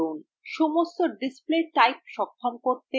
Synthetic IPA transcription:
on | ʃɔmost̪oɖispleʈajp̚ʃɔkʰːomkoɾt̪e

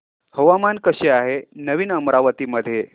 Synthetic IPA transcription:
hoʋamankəɕeaɦenəʋiːnəmɾaʋət̪iːməd̪ʱje

